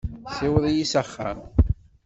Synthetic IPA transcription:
sɪwəðˤijisəχːæ̰m

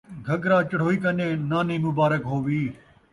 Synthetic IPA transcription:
ɡʱəɡɾaːt͡ʃəɽ̤oːiːkənẽːnaːnĩːmʊbaːɾəkɦoːʋiː

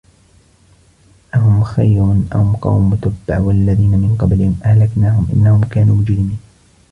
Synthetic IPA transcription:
ʔaɦʊmxajɾʊnʔahʊmqɑ̰wmːʊt̪abːaʕwalːaðiːnamɪnqɑblɪhɪmʔahlaknaːhʊmʔɪ̰nːahʊmkaːnuːmʊd͡ʒɾɪmiːn

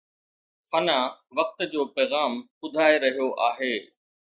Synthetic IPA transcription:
fɐnaːʋɐk̚t̪̆d͡ʑoːpɛːɣaːm | ʊd̪ʱaːeɾɐɦijoʔaːɦeː

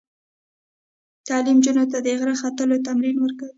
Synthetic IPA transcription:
t̪ɑlimd͡ʒunot̪ad̪əɪɣɾaxat̪əlot̪amɾinwəɾkawi

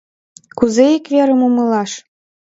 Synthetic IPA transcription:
kuzeikveɾə̆mumɤ̆lɑʃ

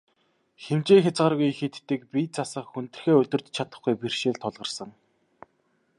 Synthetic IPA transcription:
xemt͡ɕeːŋxʲat͡sɢaːrɣujxet̪ːiːk̚piːt͡sʰasə̆χxunt̪ɘ̆rxeːɵt̪ɵ̆r̥t͡ɕt͡ɕʰat̪ə̆χɡujpirʃeːɮt̪ʰːɔɮʁə̆rsə̆ŋ

